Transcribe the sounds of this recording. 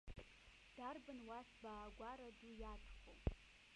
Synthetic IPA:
d̥aːrbɨnwaːsbaːɡʷaːɾɐdujaːtʰχʷʊw

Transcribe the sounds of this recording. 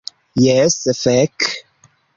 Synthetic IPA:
jɛsəfɛk

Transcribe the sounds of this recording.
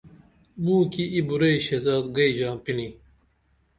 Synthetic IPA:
mũːkiibuɾeɕezaːd̪ɡɐid͡ʑãːmpini

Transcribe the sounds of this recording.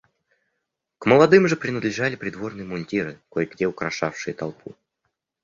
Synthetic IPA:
kməlˠɐd̪ɨmʐɨpɾʲɪnəd̪lʲɪʐalʲɪpɾʲɪd̪vo̞rnɨjəmʊnʲtʲiɾɨkojɡdʲeʊkɾɐʂafʂɨjət̪ɐlˠpʰu

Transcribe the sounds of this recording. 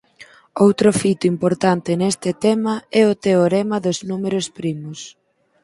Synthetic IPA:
owt̪ɾʊfit̪ʊimpoɾt̪ant̪ɪnest̪ɪt̪ɛmɐɛʊt̪eoɾemɐðʊznumeɾʊspɾimʊs

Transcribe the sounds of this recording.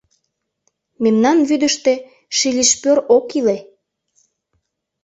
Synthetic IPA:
memnɑnβyd̪əʃt̪e̽ | ʃilʲiʃpøɾokile

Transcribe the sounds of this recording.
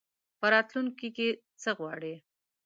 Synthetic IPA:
pəɾɑt̪luŋkike | t͡səɣwɑɽi

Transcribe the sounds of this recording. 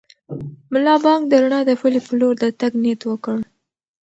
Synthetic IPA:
mʊlɑbɑŋk̚d̪əɾaɳɑd̪əxʊlepəloɾd̪ət̪aɡnet̪wəkəɽ

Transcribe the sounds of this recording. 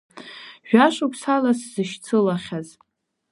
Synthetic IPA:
ʒᶣaʂʷupʰsalaszɨʃt͡sʰɨlaχʲaz

